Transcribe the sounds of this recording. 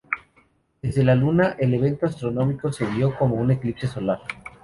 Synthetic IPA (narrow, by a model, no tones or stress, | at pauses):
d̪e̞zðe̞lalunaʔe̞le̞β̞e̞nt̪oast̪ɾo̞no̞miko̞se̞βjo̞ko̞mo̞une̞klipse̞so̞laɾ